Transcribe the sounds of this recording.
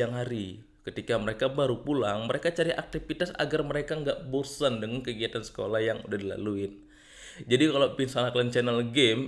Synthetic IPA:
aŋɦaɾi | kət̪ikaməɾekabaɾupulaŋməɾekat͡ʃaɾiʔak̚t̪ifit̪asa̰ɡarməɾekaŋɡaʔbosandəŋankəɡiat̪ansə̥kolahjaŋudahdila̰luɪn | d͡ʒadikalopinsalaklənt͡ʃɛnəlɡɛm

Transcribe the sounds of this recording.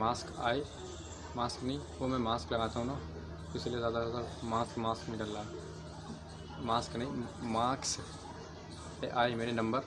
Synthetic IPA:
maːskaːe | maːsknɐĩʋomɛ̃maːsklɐɡaːt̪aɦũnaː | ɪsiliezjaːd̪azjaːd̪amaːskmaːsknɐĩɖalːaː | maːsknɐĩmaːks | eʔaːemeːɾenɐ̃mbəɾ

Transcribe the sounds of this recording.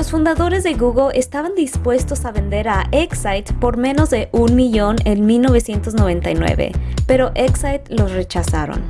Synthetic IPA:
lo̞sfund̪aðo̞ɾe̞zðe̞ɣuɣolʔest̪aβand̪ispwe̞st̪o̞saβe̞nd̪e̞ɾaʔeksajt̪po̞ɾmẽ̞no̞zðe̞ʔunmiʝo̞nenmilno̞β̞e̞sje̞nt̪o̞zno̞βẽ̞nt̪ajnwḛβe̞̰pe̞ɾo̞ʔeksajt̪lo̞sre̞t͡ʃasaɾo̰n

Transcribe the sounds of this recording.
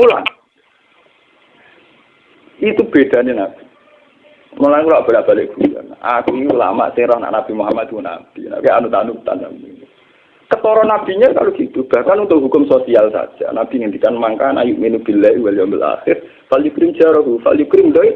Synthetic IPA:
mula̰n | it̪ub̥ed̪̥a̤nenab̥i̥ | mulankulaʔb̥a̤laʔb̥a̤lɪʔɡ̥uja̰nʔa̰kuula̰ma̰ʔsɪŋrɔhna̰ʔnab̥i̤moɦamad̪̥wna̰b̥ina̰keanut̪anut̪a̰nːa̰min | kət̪ɔɾɔnab̥i̤ɲaka̰loɡ̥it̪ub̥a̤hkanunt̪ʊʔɦukʊmsosialsa̰d̥d͡ʒ̥a̰nab̥i̤ŋənd̪ikanmaŋkanajuʔminub̥ə̤lɛiwaljɔmbəla̰xɪr | faljukɾɪm̥d͡ʒ̥aɾɔɦufa̰ljukɾɪmdai

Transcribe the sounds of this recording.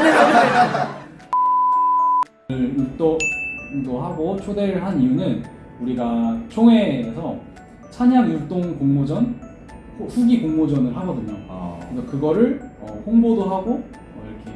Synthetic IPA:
ɯit͈o | doɦaɡot͡ɕʰodeɾɯɭɦanijunɯn | uɾiɡat͡ɕʰoŋɦeesʰʌ | t͡ɕʰaɲanjut͈oŋkoŋmod͡ʑʌn | hoɸuɡikoŋmod͡ʑʌnɯɭɦaɡʌdɯɲokɯsʌkɯɡʌɾɯɭʌ̰hoŋbodoɦaɡo | ʌiɾʌkʰe

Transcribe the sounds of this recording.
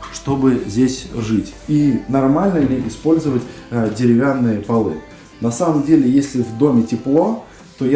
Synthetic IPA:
ʂt̪o̞bɨzʲdʲesʲʐɨtʲinɐrmalʲnəlʲɪɪspo̞lʲzəvətʲdʲɪɾʲɪvʲanːɨjəpɐlˠɨ̰ | nɐsaməmdʲelʲɪjesʲlʲɪvd̪o̞mʲɪtʲɪplˠo̞ | t̪o̞ja

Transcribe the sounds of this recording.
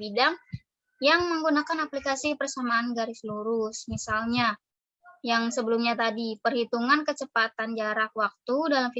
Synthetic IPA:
bidaŋ | jaŋməŋɡunakanaplikasipərsamaːnɡaɾisluɾʊsmisalɲa | jaŋsəbəlumɲat̪adipərhit̪uŋankət͡ʃəpat̪and͡ʒaɾak̚wak̚t̪udalamfi

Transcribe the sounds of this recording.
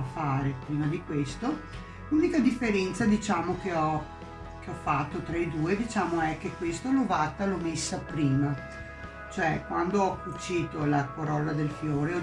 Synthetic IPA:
faːɾepɾiːnad̪ikwest̪o | luːnikad̪ifːeɾɛnt̪sad̪it͡ʃaːmokeɔ | k̟eɔfat̪ːot̪ɾaed̪uːed̪it͡ʃaːmoɛkːekwest̪olovat̪ːalɔmesːapɾiːma | t͡ʃoɛkwand̪oɔkːut͡ʃːiːt̪olakoɾɔlːad̪elfjoːɾeɔ

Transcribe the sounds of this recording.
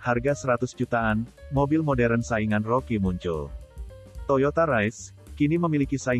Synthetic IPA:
harɡasəɾat̪ʊsd͡ʒut̪aːnmobɪlmodɛɾənsaiŋanrokimuɲt͡ʃṵl | t̪ojot̪aɾajs | kiniməmilikisai

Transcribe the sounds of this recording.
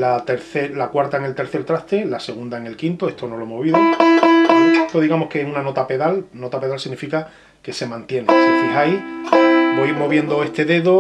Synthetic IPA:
lat̪e̞ɾθeɾlakwaɾt̪aeŋe̞lt̪e̞ɾθe̞ɾt̪ɾaht̪e̞lase̞ɣ̞und̪aeŋe̞lkint̪oe̞ht̪o̞no̞loemoβ̞iðo | oet̪o̞ðiɣamohkeehunano̞t̪ape̞ðalno̞t̪ape̞ðalsiɣnifika | ke̞se̞mãnt̪je̞nẽsefiɦaj | boiɾmo̞βje̞nd̪oe̞st̪e̞ðe̞ðo

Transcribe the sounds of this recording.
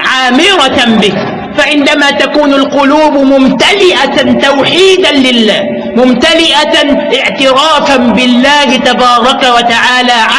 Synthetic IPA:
ʕaːmɪɾɑbɪh | faʕɪnd̪amaːt̪akuːnalqʊluːbmʊmt̪alɪʔat̪awħiːd̪anlɪlːaː | mʊmt̪alɪʔaʔɪʕt̪ɪɾaːfanbɪlːaːhɪt̪abɑːɾˤɑkawat̪aʕaːlaːʕa

